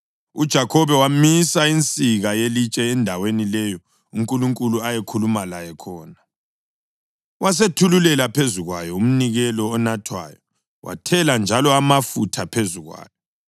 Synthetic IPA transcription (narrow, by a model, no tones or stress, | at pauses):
ud̥ʒ̥ʱakʰɔβɛwamisaint͡sʼiɣajelit͡ʃʼɛːndʱawenilɛjɔ | uŋkʼuluŋkʼuluajekʰulumalajɛkʰɔːna | was̬etʰululɛlapʰezuɣwajɔum̩niɣɛlɔːnatʰwa̰ːjɔ | wʔa̰tʰɛland͡ʒʱalɔamafutʰapʰezuɣwa̰ːjɔ